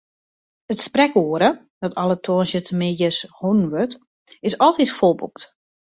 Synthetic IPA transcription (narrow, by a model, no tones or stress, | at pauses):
ətsprɛkoəɾə | dɔtɔlˠətʰoənsjətmɪjəshunn̩ʋøt | ɪsɔlˠtitfolˠbṵkt